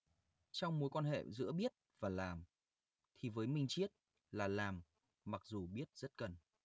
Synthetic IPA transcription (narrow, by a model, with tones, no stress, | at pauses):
t͡ɕɔ˧wŋ͡mmo˨˦jkwaː˧nɦḛ˧˨zɨ̰˧˥əɓi˦˥ət̚vaː˨˩laː˨˩m | t̪ʰi˨˩vəː˨˦jmï˧˩ŋ̟t͡ɕi˦˥ət̚ | laː˨˩laː˨˩mː | a˨˩k̚zu˨˩ɓi˦˥ət̚z̥ə˦˥t̚kə˨˩n